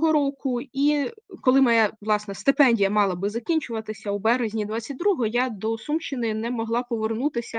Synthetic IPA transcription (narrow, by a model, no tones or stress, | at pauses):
ɦɔɾɔkʊikɔlˠɪmɐjaʋlˠɑsnɛst̪ɪpɛnʲdʲijɐmɑlˠɐbɪzɐkʲinʲt͡ʃʊʋɐt̪ɪsʲɐubɛɾezʲnʲid̪ʋɑt͡sʲːɐt̚ʲd̪ɾuɦɔjad̪ɔsumt͡ʃɪnɪnɛmɔɦlˠɑpɔʋernut̪ɪsʲɐ